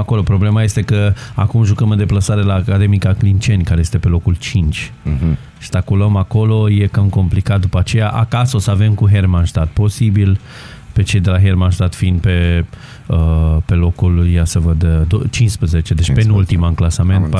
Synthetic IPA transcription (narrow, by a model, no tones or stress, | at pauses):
ako̞lo̞pɾo̞ble̞maje̞st̪e̞kəa̰kumʒukəmɨnd̪eplasaɾe̞laːkad̪e̞mikaklint͡ʃe̞nʲkaɾeje̞st̪e̞pe̞lo̞kult͡ʃint͡ʃʲ | sst̪akuləmako̞lo̞je̞kamko̞mplikat̪̚d̪upat͡ʃe̞jaʔakaso̞səave̞mkuɦermanʃt̪at̪̚po̞sibil | pe̞t͡ʃe̞jd̪e̞laɦermanʃt̪at̪fiind̪̚pe̞ | əpe̞lo̞kuljasəvəd̪d̪ot͡ʃinspɾezet͡ʃe̞d̪et͡ʃpenult̪imanklasame̞nt̪p